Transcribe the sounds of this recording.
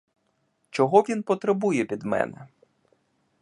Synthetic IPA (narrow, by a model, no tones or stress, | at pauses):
t͡ʃɔɦɔʋʲinpɔt̪ɾebujɛpʲid̪mɛ̰nɛ